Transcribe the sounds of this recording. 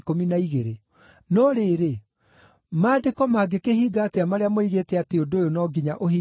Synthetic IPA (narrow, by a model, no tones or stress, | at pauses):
kominaiɣeɾe | nɔɾeːɾe | maːdekɔmaɡekeɦiːɡateamaɾeamoiɣetɛateondojonɔɡiɲaʔoɦi